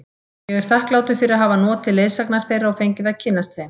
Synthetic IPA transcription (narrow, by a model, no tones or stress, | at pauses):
jɛɣɛɾ̥θahklaːwt̪ʏ̥fɪɾɪɾaɦaːvanɔːt̪ʰɪlːeːjsaknaɾ̥θejɾaɔfejɲcɪðaðcʰɪnːast̪hejm